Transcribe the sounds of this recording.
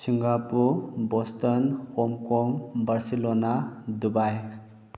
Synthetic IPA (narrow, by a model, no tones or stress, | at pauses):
siŋɡapubɔstɔnhɔmkɔŋbaɹsilɔnadubaj